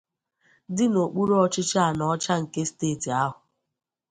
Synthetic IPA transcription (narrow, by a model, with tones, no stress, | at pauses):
dɪ˦no˨k͡pu˦ɾo˦ɔ˦t͡ʃɪ˦t͡ʃa˦˨nɔ˦t͡ʃa˦ŋ̩˨ke˦steː˦˨ti˨a˦ɦʊ˨